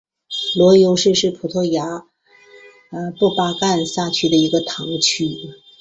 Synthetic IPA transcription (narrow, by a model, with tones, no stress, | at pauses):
lwɔ˧˥jo˧˥ʊʂɻ̩˥˧ʂɻ̩˥˩pʰu˨˩t̪ʰɔ˥ja˧˥ | ə˧pɔ˥˩pa˥ka˥˧nsa˥˩t͡ɕʰy˥d̪ə˨i˧˥ɡə˧t̪ʰɑ˧˥ŋt͡ɕʰy˥